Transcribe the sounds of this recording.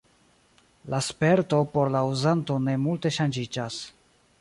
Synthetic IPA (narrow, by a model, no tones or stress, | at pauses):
laspe̞ɾto̞po̞ɾlauzanto̞ne̞multe̞ʃand͡ʒid͡ʒas